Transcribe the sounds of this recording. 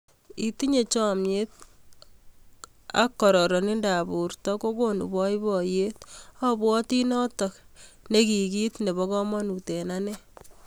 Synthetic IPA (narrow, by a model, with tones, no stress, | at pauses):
i˨ti˦ɲe˨t͡ʃɔ˦mje˦t̚ | a̰˦kːɔ˨ɾɔ˨ɾɔ˨ni˦nda˨bu˨ɾtɔ˦ko˦ko˦nṵ˨bɔ˦i˦bɔ˨je˦ta˦bwɔ˦ti˦nɔ˦tɔ˨kne˦ki˨ki˦tne˨βɔ˦kɔ˦mɔ˦nu˨te˨nanɛ˦